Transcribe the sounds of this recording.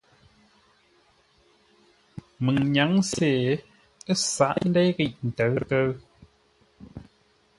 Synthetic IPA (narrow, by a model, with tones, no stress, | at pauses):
mɨ˨ŋɲa˨˦ŋseː˨ | ə˦sa˨˦ʔn˦dɛ˦jɣi˦˨ʔn̩˨tə˨˦kə˦ɰ